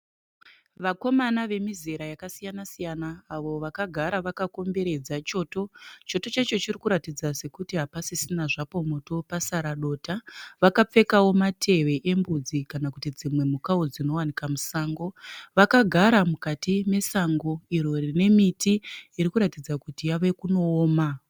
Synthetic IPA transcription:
ʋako̞manaʋe̞mize̞ɾajakasijanasijanaːʋo̞ʋakaɡʱaɾaʋakako̞mbe̞ɾe̞d͡zat͡ʃo̞to̞t͡ʃo̞to̞t͡ʃat͡ʃo̞t͡ʃirikuɾatid͡zase̞kutiɦapasisinaʐapo̞moto̞pasaɾaɗo̞ːtaʋakap͡fe̞kawo̞matʰe̞ʋe̞ʔembud͡zikanakutid͡zimwe̞mukaod͡zino̞wanikamusaːŋɡo̞ʋakaɡʱaɾamukatime̞saŋɡo̞iɾo̞rine̞mitiːɾikuɾatid͡zakutijaʋe̞kuno̞ːma

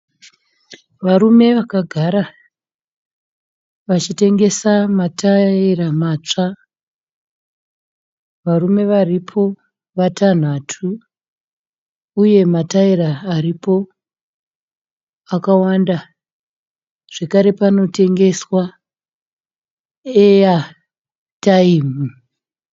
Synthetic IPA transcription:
ʋaɾume̞ʋakaɡʱaɾa | ʋat͡ʃite̞ŋɡe̞samatairamaːt͡ʂa | ʋarume̞ʋaripʰo̞ | ʋatʰan̤atʰu | je̞mataiɾaːripo̞ | akawanda | ʐ̥ekaɾe̞pano̞te̞ŋɡe̞swa | eja | taiːm̤u

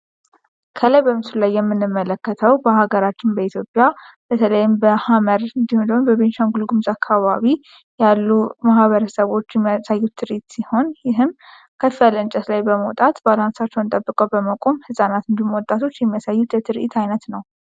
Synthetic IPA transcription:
kʰələjbəmɨsulajːɛmːɨnːɨmːələkːət̪ʰəwbəhaɡəɾat͡ʃːɪnbəit̪jo̞pʼja | b̥ət̪ʰələjɪmbəhaməɾɨnd̪ihond̪əhunbəβenʃaŋɡulɡumzakʰːaβaβi | jalːumahβəɾəsəβo̞t͡ʃːjɛmːiasajːut̪ʰːɨɾʔit̪siho̞njɪɦɨm | kʰəfialɨnt͡ʃʼət̪lajbəmot̪ʼat̪balansat͡ʃːɛwɨnt̪ʼəbːɨkʼəwbəməkʼo̞mhɨsʼanat̪ɨnd̪imwɔt̪ʼːat̪ʰo̞t͡ʃːjɛmːijasajːut̪jɛt̪ʰɨɾʔḭt̪ʰajnət̪nəw

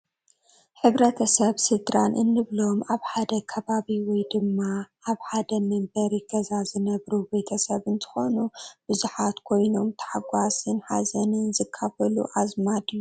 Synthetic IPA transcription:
ħɨβɾɐt̪ʰɐsɐβsɨd̪ɾanʔɨnːɨβlo̞maβħad̪ɐkʰɐβaβiwɔjd̪ɨmːaʔaβħad̪ɐmɐmbɐɾiɡɐzazɨnɐβɾube̞t̪ʰɐsɐβɨnt̪ʰɨ̥xo̞nub̥ɨzuħat̪kʰo̞jno̞mt̪ʰɐ̥ħaɡʷasɨnħa̰zɐnɨnzɨkʰːafɐlṵʔazmad̪ɨju

